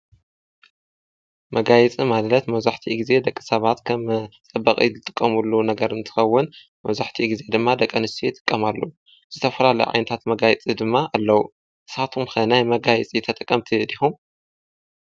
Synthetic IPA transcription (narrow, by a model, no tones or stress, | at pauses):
mɐɡajɛt͡sʼimallɐt̪mɐβzaħt̪ʰiɡize̞d̪ɐkʼːisɐβat̪kʰɐmt͡sʼɐbːɐkʼḭzɨt̪ʼɨkʼːɐmulːunɐɡɐɾɨnt̪ʰɨ̥xɐwːʊn | mɐβzaħt̪ʰiɡize̞d̪ɨmːad̪ɐkʼːɐnɨst̪ʰijɪt̪ʼɨ̥kʼːɐmalːɐ̰wu | z̥ɨt̪ʰɐfɐlalɐ̰juʕa̰jnɐt̪ʰat̪mɐɡajɛt͡sʼid̪ɨmːaʔalːɐwu | ʔɨsat̪ʰumxɐnajmɐɡajɛt͡sʼit̪ʰɐt̪ʼɐkʼːɐmt̪ʰid̪ihum